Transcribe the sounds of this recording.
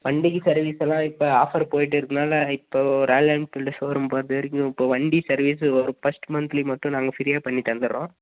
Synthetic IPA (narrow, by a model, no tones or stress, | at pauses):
ʋɐɳɖɪɣisɐɾʋiːsɛlːãːɪpːoːaːfɐɾpoːjɪʈ̬ːɯɾɯɯnaːlɐɪpːoːɾaːlɛmʈɪlːɐsoːɾɯmpoːɾɐðɯɾɪŋʊ̃ɪpːoːʋɐɳɖisɐɾʋiːs̬ɔɾɯfɐsʈmɐnt̪ɾimɐʈːʊ̃nãːŋɡɐsɪɾɪjaːpɐɳːit̪ɐnd̪ɯõː